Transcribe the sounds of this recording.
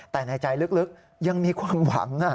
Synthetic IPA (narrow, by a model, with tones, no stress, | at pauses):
t̪ɛː˨˩na˧jt͡ɕa˧jlɯ˦˥k̚lɯ˦˥k̚ | ja˧ŋmiː˧kʰwaː˧mwa̰˩˦ŋʔa˧˩